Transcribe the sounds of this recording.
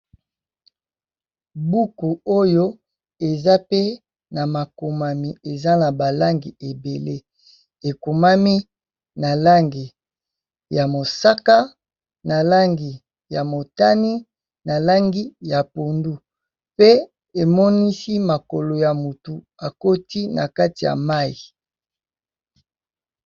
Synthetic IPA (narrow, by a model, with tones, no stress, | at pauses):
bu˦ku˨o˦jo˦ | e˨za˦pe˦ | na˨ma˨ko˨ma˨mi˨e˨za˦na˨ba˨la˦ŋɡi˨e˨be˨le˦ | e˨ko˨ma˦mi˦ | na˨la˦ŋɡi˨ | ja˨mo˨sa˦ka˦ | na˨la˦ŋɡi˨ | ja˨mo˨ta˦ni˦ | na˨la˦ŋɡi˦ja˨po˨ndu˦ | pe˦ | e˨mɔ˦ni˦si˦ma˨ko˨lo˨ja˨mu˨tu˨ | a˨ko˦ti˦na̰˨ka˦ti˨ja̰˨ma˦i˨